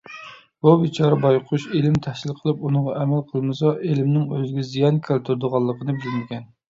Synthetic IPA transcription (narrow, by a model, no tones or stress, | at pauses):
b̥ubit͡ʃʰɑɾɑbɑjqʰuʃelɪmt̪ʰɛhʃʲilˠqʰəlˠɨpunəʁɑʔɛmɛlqʰəlˠmɨsɑʔelɪmnɪŋøzɪɡʲɛzijɑnkʲʰælt̪ʰuɾd̪ʊʁɑlˠːəqʰənɨbd͡ʒyɾmɪkʲɛn